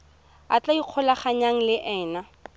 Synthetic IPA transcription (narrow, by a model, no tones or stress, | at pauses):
a̰t͡ɬaiq͡χʰɔlaχaɲaŋ̩lɪʔɛːna